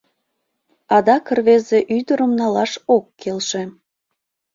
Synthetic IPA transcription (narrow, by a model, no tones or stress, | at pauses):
ɑd̪ɑkərβezeʔyd̪əɾəmnɑlɑʃokːelʃe